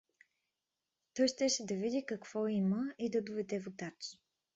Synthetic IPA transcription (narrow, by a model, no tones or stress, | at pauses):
t̪ɔjʃt̪ɛʃɛd̪ɐvid̪ikɐkv̥ɔiməid̪ɐd̪ovɛd̪ɛvot̪at͡ʃ